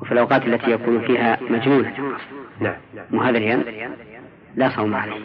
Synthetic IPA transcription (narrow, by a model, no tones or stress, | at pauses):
wɪfilʔawqɑːt̪alːat̪ʰijakuːnfiːɦamad͡ʒnuːnanʔɑqɑsnamʊɦaːðɪljan | lasˤɑwmaʕalaːh